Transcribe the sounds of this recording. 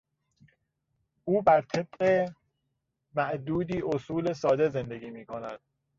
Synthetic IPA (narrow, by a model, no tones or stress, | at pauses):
ʔuːbæɾt̪ʰeb̚ɢe | mæʔd̪uːd̪iːʔosuːle̞sɒːd̪e̞ze̞nd̪e̞ɡiːmiːkʰonæd̪̥